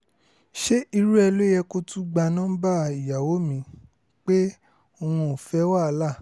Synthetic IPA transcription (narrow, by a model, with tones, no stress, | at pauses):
ʃe˦i˧ɾu˦ɛ˧lo˦jɛ˧ko˧tũ˦ɡ͡ba˧nã˦ba˦i˨ja˨wo˨˦mĩ˨˧˦ | k͡pe˦ | o˧hũ˧o˨fɛ˦wa˦˧˦la˦˨